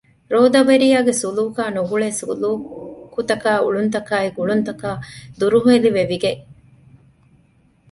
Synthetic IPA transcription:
ɾoːd̪ɐʋɐɾijaːɡesuluːkaːnuɡuɭeːsuluːkut̪ɐkaːuɭunt̪ɐkaːiɡuɭunt̪ɐkaːd̪uɾuɦueliʋeʋiɡeʔ

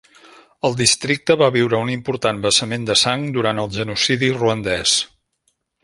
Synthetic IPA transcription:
əlˠd̪ist̪ɾik̚t̪əβaβiwɾəunimpuɾt̪anbəsəmend̪əsaŋd̪uɾant̪əlˠʒənusiðiruənd̪ɛs

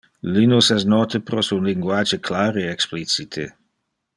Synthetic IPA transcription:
linusɛsnɔt̪əpɾɔsunliŋɡwaːd͡ʒeklaːɾeɛksplit͡sit̪ʰe

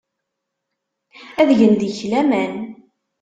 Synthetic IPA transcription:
æðʝənd̪içlæmæn

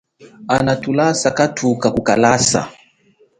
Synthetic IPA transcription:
anatulasakatʰukakukalasa̰

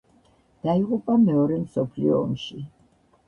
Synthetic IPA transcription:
d̪̥aiʁupʼamɛɔɾɛmsɔpʰlḭɔːmʃi

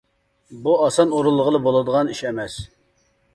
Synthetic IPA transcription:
buɑsɑnoɾulˠːəʁəlˠəbolˠɨd̪əʁɑniʃɛmɛs

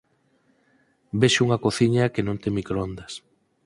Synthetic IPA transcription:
beʃuŋɐkoθiɲɐkenõnt̪emikɾoond̪ɐs

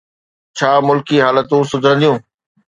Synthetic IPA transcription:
t͡ɕʰaːmʊlkiɦaːlət̪ũsʊd̪ʱə̃nd̪ijũː

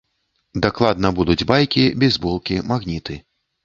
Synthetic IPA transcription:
d̪aklˠad̪̚nɐbud̪ud͡zʲbajkʲibʲɛzbɔlˠkʲimaɣnʲit̪ɨ

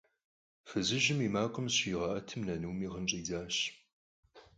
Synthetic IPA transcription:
fɨzɨʒɪmimaːkʷʼʊmɕiːʁɐʔɐtʰɨmnɐnuwmiːʁənt͡ʃʼiːzaːɕ

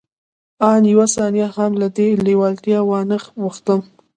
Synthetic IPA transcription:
ɑnjwasɑnjahamlad̪elewɑlt̪jɑwɑnəxwuxt̪əm

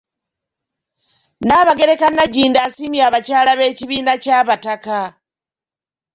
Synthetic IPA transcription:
naβaɡe̞ɾekanaɟiːndasimjaːβat͡ʃaːlaβe̞ːciβiːnat͡ʃaβataka

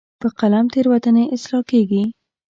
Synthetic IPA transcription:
pəqalamt̪eɾwat̪əneʔɪslɑkeɡi

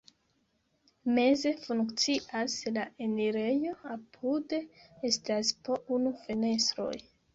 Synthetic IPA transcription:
me̞ze̞fuŋkt͡siʔaslaeniɾe̞jo̞apʰudeestaspo̞ʔunufene̞stɾo̞̰j

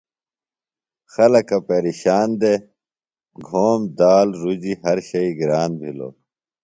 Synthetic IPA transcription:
xɐlɐkɐpeːɾiɕaːnd̪e | ɡʱoːmd̪aːlɾud͡ʑiɦɐɾɕɐiɡɾaːnbʱilo̰ː

